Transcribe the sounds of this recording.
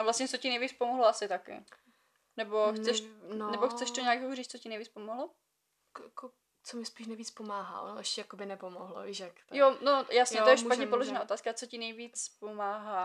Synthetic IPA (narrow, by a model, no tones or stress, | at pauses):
avlast̪ɲɛt͡socɪnɛjviːt͡spomoɦloasɪt̪akɪ̰ | nɛbo̞xt͡sɛʃnnɛboxt͡sɛʃt̪oɲɛjakjɛkoriːt͡s̪t͡socɪnɛjviːt͡spomoɦlo | kjako | t͡somɪspiːʃnɛjviːt͡spomaːɦa̰ʔonoʔɛʃɛjakobɪnɛpomoɦlo̰viʃakjonojasɲɛt̪ojɛʃppatɲɛpoloʒɛnaːo̞t̪aːskat͡so̞cɪnɛjviːt͡spomaːɦaː